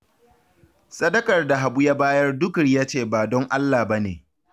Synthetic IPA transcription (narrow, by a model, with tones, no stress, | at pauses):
sʼɐ˦dɐ˦kɐ˨rda˨ɦa˨bʊ˦ja˦baː˦jɐ˦rdʊ˦kɽjaː˦t͡ʃeː˦˨baː˨dɔ˦ŋʔa˦lːaː˨bɐ˦nḛː˨